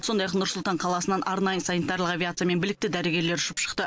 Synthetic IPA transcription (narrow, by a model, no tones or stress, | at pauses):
so̞nd̪ɑjɑqnʊɾsʊlˠt̪ɑɴqʰɑlˠɑsənɑnʔɑɾnɑjəsanit̪ɑɾlˠəqɑvʲjat̪sijame̞nbɪlɪk̚t̪ɪd̪æɾe̞ɡʲe̞ɾle̞ɾʊʃɪpʃə̥qt̪ə